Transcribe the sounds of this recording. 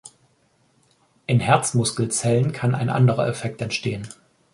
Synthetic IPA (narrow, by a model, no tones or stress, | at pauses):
ʔɪnhɛɐt͡smʊskl̩t͡sɛlənkʰana̰ɪnʔa̰ndəʁɐ̰ʔɛfɛk̚tɛntʃteːən